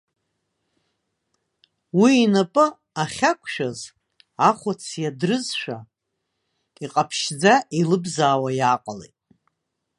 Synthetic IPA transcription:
wiːnapʼɨ | aχʲakʷʰʃᶣaz | aχʷʊt͡sʰjadrɨzʃʷᶣa̰ | iqʼapʰʃd͡zailɨbzaːwajaqʼalḛjtʼ

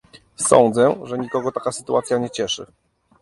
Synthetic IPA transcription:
sɔ̰nd̪zɛʐɛɲikɔɡɔt̪akasɘ̥t̪ua̰t̪sʲjaɲɛt͡ɕɛʂɘ̰

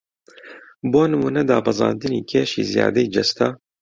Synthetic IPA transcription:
boːnɨmuːnɛd̪ɑːbɑzɑ̰ːnd̪ɨniːkʰeːʃḭːzijɑ̰ːd̪ɛjd͡ʒɛst̪ɑː

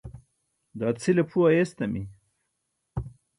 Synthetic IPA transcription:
d̪ɑːt͡sʰilepʰuajest̪ɐmi

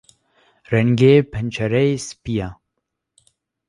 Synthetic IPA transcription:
rɛŋɡeːpʰɛnt͡ʃʰɛɾɛjspija

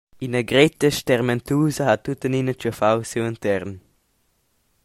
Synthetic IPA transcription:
inəɡɾetəʃtɛʁmɛntʰuːzəhatːutəninət͡ʃufawsuəntʰɛʁn

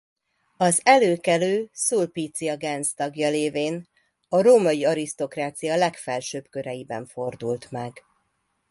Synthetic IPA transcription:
ɒzɛløːkɛløːsuːlpiːt̪sijɒɡɛnst̪ɒɡjɒleːveːn | ɒɾoːmɒjiɒɾist̪o̞kraːt̪sijɒlɛkfɛlʃøːbkø̞ɾɛjibɛ̰ɱfo̞rd̪ult̪mɛɡ

